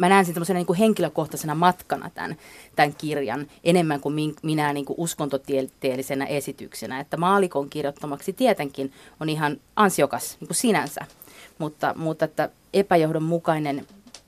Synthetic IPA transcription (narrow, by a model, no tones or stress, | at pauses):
mænæːnsint̪semːosenɑniŋkuheŋkiløkoht̪ɑsenɑmɑt̪kɑnɑ̰t̪æ̰nt̪æŋkirjɑ̰nʔenemːæŋkummiŋminæniːŋkuʔuskont̪ot̪ielt̪eːlːisenæ̰ʔesit̪yksenæet̪ːæmɑːlikoŋkirjot̪ːomɑksit̪iet̪eŋkinonihɑnʔɑnsiokɑsniːŋkusinænsæ̰ | mut̪ːɑ̰mut̪ːet̪ːæ | epæjohdommukɑinen